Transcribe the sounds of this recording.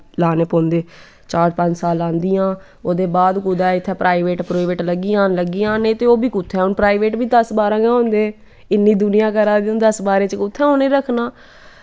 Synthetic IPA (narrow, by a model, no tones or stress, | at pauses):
laːneːpõːnd̪eː | t͡ʃaːɾpə̃ɲd͡ʒsaːlãːnd̪ɪjãː | oːd̪eːbaːd̪kʊd̪aːɪt̪ʰːɛ̃ːpɾʔaːiʋeːʈpɾoːɪʋeːʈləɡːiːãːnləɡːiːãːneːt̪eːoːbiːkʊt̪ʰːɛ̃ːɦʊnpɾaːiʋeːʈbiːd̪əsbaːɾãːɡãːɦõːnd̪eː | ɪnːiːd̪ʊnɪjãːkəɾaːd̪̃nd̪əsbaːɾeːt͡ʃəkʊt̪ʰːɛ̃ːɦonẽːɾəkʰnaː